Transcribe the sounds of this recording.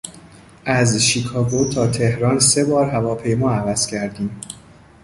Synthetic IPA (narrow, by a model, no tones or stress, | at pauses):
ʔæzʃikʰɒːɡot̪ʰɒːt̪ʰe̞hɾɒːnse̞bɒːɾɦævɒːpʰe̞jmɒːævæz̥cʰæɾd̪iːm